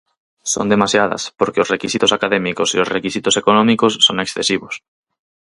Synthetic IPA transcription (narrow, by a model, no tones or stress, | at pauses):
so̰nd̪emasjaðɐ̰spoɾkeosrekisit̪osakaðemikoseosrekisit̪osekonɔ̃mikosːoŋeksθesiβos